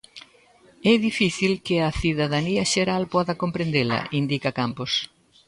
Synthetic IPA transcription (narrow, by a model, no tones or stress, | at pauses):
ɛðifiθilkɪɐθiðɐðaniɐʃeɾalpɔðɐkompɾend̪elɐ̰ind̪ikɐkampos